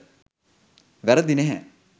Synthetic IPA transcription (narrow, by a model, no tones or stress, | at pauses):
ʋæɾəd̪ineɦɛ